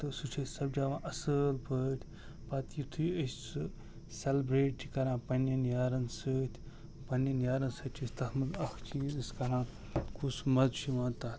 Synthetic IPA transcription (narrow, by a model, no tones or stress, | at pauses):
t̪ɨsut͡ʃʰesɐbd͡ʒaːʋãːʔɐsəːlpʰəːt̪ʲʰ | pɐt̪jit̪ʰujəsʲt͡sɨ | sʲelbɾeːʈ̚t͡ʃʲʰikɐɾãːpɐnɐnjaːɾɐnsət̪ʰʲ | pɐnɐnjaːɾɐnsɐt͡ʃʲʰisʲt̪ɐhmɐlɐxt͡ʃʰiziskɐɾãː | kʰusmɐzʃʰiʋãːt̪aː